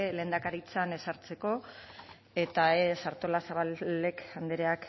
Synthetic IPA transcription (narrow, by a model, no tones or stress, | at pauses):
le̞ːnd̪akaɾit͡sane̞saɾt͡se̞ko̞ | e̞t̪aesaɾt̪o̞lasaβale̞kand̪eɾeak